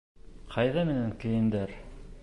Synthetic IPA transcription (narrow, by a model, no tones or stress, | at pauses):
qʰɑjðæmɘ̆næŋkɘ̆jɘ̆nd̪æɾ